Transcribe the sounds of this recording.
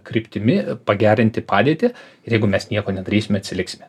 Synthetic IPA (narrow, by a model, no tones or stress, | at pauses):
kɾʲɪpʲt̪ʲɪmʲɪpɐɡʲæːɾʲɪnʲt̪ʲɪpɑːd̪ʲieːt̪ʲɪ | ɪrjɛɪɡʊmʲɛsnʲiɛkoːnʲɛd̪ɐɾʲiːsʲɪmʲɛɐt̪ʲsʲɪlʲɪksʲɪmʲɛ